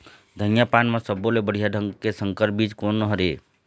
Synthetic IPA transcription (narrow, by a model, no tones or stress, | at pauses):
d̪ʱənjapanmasəbːolebəɽ̤ijad̪ʱəŋɡkesəŋkəɾbid͡ʒkonːəɦəɾe